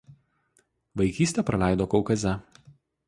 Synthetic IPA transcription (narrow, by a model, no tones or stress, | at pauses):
ʋɐɪkʲiːsʲt̪ʲeɛˑpɾɐlʲæˑɪd̪oːkɔʊkɐzʲɛ